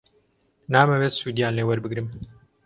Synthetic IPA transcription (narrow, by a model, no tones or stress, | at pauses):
naːmɐwet̪suːd̪ijaːnleːwɐɾbɨɡɾɨm